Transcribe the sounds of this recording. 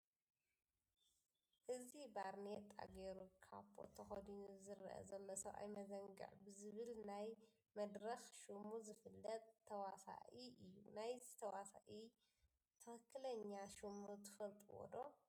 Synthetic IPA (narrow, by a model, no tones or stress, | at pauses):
ʔɨzibaɾnet̪ʼːa̰ɡeɾukʰa̰βbo̰t̪ʰɐxɐd̪inzɨɾʔɐ̰zɐlːosɐwʔa̰jmɐzɐŋɡɨ̰ʕbɨzɨβɨlnaj | mɐd̪ɾɐxʃumuzɨfɨlːɐt̪ʼʰːɐwasa̰ʔiɨjːunajzɨt̪ʰɐwasa̰ʔi | t̪ʰɐxɨkʰːɨlɐɲːaʃumut̪ʰɨ̥fɐlt̪ʼɨwɔ̰d̪o